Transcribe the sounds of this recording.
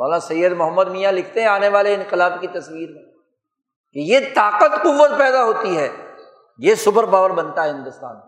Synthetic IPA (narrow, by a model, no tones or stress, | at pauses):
aːlasɐjːəd̪mʊɦəmːəd̪miːjalɪkʰt̪eɦɛ̃aːneʋaːleɪ̃nqɪlaːbkit̪ɐswiːɾmẽː | kejet̪aːqət̪qʊʋːət̪̚pɛːd̪aɦoːt̪iɦɛː | jesʊbəɾbaːʋəɾbɐnt̪aɦɛɦɪ̃nd̪ʊst̪a̰ːn